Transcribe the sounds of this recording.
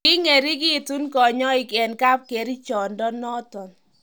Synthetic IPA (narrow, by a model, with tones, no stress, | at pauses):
kɪ˦ŋe˨ɾi˦ki˦˨tu˦nkɔ˨ɲɔ˦ɪ˨kɛ˨nka˦p̚ke˨ɾi˦t͡ʃɔ˨ndɔ˦nɔ˦tɔ˨n